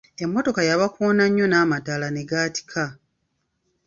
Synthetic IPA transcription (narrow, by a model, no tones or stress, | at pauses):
e̞mːo̞to̞kajaβakonaɲːo̞naːmatalane̞ɡaːti̥kʰa